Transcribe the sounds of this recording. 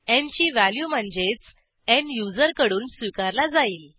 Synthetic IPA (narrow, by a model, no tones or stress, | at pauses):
ẽɲt͡ɕiːʋæljuːm̤əɳd͡zet͡s | enjud͡zəɾkəɽuːnsʋikaɾlad͡zaiːl